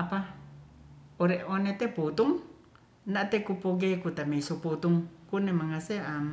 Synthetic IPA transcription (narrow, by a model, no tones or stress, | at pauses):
apa | oɾeʔonet̪eput̪uŋ | naʔt̪ekupoɡekut̪amesoput̪uŋkunemaŋaseam